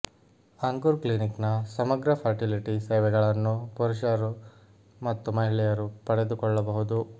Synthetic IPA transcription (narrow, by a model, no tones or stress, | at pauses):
ɐŋɡuɾkliniknɐsɐmɐɡɾɐpʰɐɾʈiliʈiseːʋɛɡɐɭɐnːupuɾuʃɐɾu | mɐt̪ːumɐɦiɭɛjɐɾupɐɽe̞d̪ukɔɭːɐbɐɦud̪u